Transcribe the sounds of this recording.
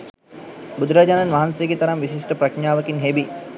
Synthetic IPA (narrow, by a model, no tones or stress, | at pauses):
bud̪uɾaːd͡ʒaːnanʋaɦansejəɡet̪ɐɾamʋisiʂʈəpɾɐkɲaːʋəkinɦebi